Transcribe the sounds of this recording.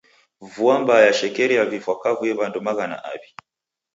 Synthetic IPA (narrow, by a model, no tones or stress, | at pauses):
vuambajaʃɛkɛɾijavifwakavuɛβandɔmaɣana̰ʔa̰βi